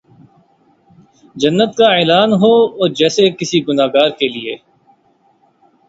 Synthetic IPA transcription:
d͡ʒɐnːət̪kaeːlaːnɦoɔːɾd͡ʒɛːsekɪsiɡʊnaːɡaːɾkelieː

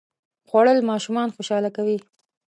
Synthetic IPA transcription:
xwaɽəlmɑʃumɑnxoʃɑlakawi

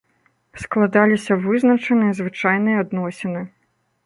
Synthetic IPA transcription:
sklˠad̪alʲisʲɐvɨznɐt͡ʂɐnɨjɐzvɨt͡ʂajnɨjɐad̪nɔsʲinɨ

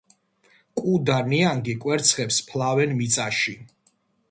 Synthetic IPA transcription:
kʼud̪aniaŋɡikʼwɛɾt̪sʰχɛpspʰlavɛnmit̪sʼaʃi

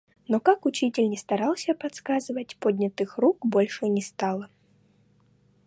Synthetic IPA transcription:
nɔkakut͡ɕitʲɪlʲnʲɛst̪aɾalˠsʲɐpat̪skazɨvɐtʲpɔd̪ʲnʲɐt̪ɨxrukbɔlʲʂɨnʲɛst̪alˠɐ

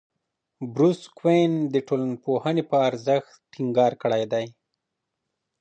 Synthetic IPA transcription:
bɾuskwend̪əʈolanpohənepəaɾzəxt̪ːiŋɡɑɾkəɽajd̪aj

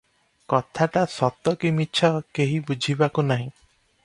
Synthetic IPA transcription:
kɔt̪ʰaʈasɔt̪ːɔkimitːʃʰɔkeɦibud͡ʒʱibakunaɦĩ

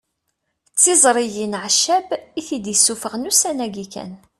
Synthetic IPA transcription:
t͡sːɪzˤɾˤijinʕʃːæbiθid̪jəsːufəʁnusænæɡikæ̰n

